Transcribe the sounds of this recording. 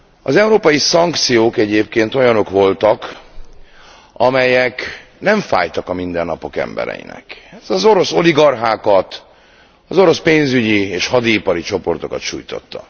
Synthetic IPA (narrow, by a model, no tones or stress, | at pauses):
ɒzɛuɾoːpɒjisɒŋkt̪sijoːkɛɟeːp̚keːnt̪o̞jɒno̞kʋo̞lt̪ɒk | ɒmɛjɛknɛɱfa̰ːjt̪ɒkɒmind̪ɛnːɒpo̞kɛ̰mbɛ̰ɾɛ̰jḭnɛ̰kɛzɒzo̞ɾo̞so̞liɡɒrɦaːkɒt̪ | ɒzo̞ɾo̞speːnzyɟieːʃhɒd̪iːpɒɾit͡ʃo̞po̞rt̪o̞kɒt̪ʃṵːjt̪o̞̰t̪ːɒ